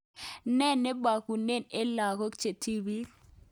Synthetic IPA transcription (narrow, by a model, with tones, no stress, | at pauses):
nɛ˦˨ne˦ba˨ku˨ne˦˨ne˦la˨ko˦kt͡ʃe˨ti˦bi˦